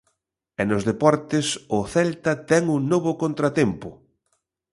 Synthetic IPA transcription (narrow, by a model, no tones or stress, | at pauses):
ɛnʊzðepɔɾt̪ɪsʊθɛlt̪ɐt̪ɛŋuŋnoβʊkont̪ɾɐt̪empʊ